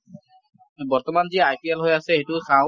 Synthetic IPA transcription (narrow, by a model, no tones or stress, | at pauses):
bɔɹt̪ɔmanziajpʰiɛlɦojasɛejtʊsaʊ̃